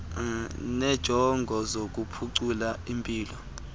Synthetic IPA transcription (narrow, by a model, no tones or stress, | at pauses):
nɛd̥ʒ̥ʱɔŋɡʱɔzok̬upʰuǀulaimpʼiːlɔ